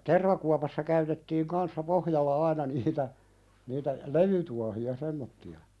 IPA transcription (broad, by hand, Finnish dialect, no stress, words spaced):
terʋɑkuɑpɑsːɑ kæytetːiːŋ kɑnsːɑ pohjɑlːɑ ɑinɑ niːtæ niːtæ leʋytuɑhiɑ semːotːiɑ